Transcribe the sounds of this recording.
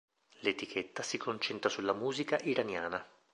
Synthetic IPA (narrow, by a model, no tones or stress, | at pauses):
let̪ikʰet̪ːasikʰont͡ʃɛnt̪ɾasulːamuːzikaʔiɾanjaːna